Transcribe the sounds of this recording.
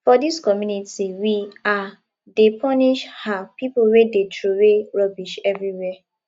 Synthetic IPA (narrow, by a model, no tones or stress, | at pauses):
fɔdiskɔmjunitiwia | depʰɔniʃhapipowedetʰɹoɹeɹɔbiʃɛvɹiwɛ